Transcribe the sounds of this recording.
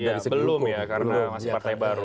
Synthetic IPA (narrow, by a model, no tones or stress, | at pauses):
jasəbəllʊmjakaɾnaaspart̪ajbaɾu